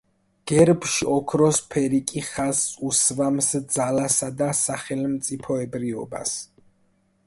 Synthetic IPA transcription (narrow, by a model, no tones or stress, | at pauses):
ɡ̥ɛɾbʃiɔkʰɾɔspʰɛɾikʼiχasusvamsd̪zalasad̪asaχɛlmt̪sʼipʰɔɛbɾiɔ̰ba̰s